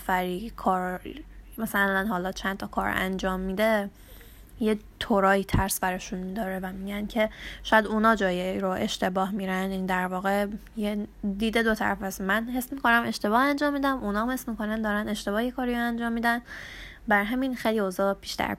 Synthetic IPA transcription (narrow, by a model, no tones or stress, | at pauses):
fæɾikʰɒːɾ | mæsællænɦɒːlɒːt͡ʃʰænd̪t̪ʰɒkʰɒ̰ːɾæ̰nd͡ʒɒːmːiːd̪e̞ | jet̪ʰoɾɒːiːt̪ʰæɾsbæɾɒʃunmid̪ɒːɾevæmiːɟæncʰe̞ʃɔːjæd̪unɒːd͡ʒɒːjeɾoʔe̞ʃt̪e̞bɒːɦmiːɾænind̪æɾvɒːɣe̞ | jed̪iːd̪e̞d̪o̞t̪ʰæ̰ɾæ̰fæsmænɦesmikʰonæme̞ʃt̪e̞bɒːhænd͡ʒɒːmːiːd̪æmunɒːmesmikonænd̪ɒːɾæne̞ʃt̪e̞bɒːhekʰɒːɾiɾoænd͡ʒɒːmːiːd̪æn | bæɾɦæminxejliozɒːb̥iːʃt̪ʰæ̰ɾ